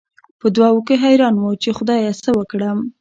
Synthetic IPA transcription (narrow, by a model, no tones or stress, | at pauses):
pəd̪wɑwukeɦajɾɑnwət͡ʃexʊd̪ɑjesəwəkɽəm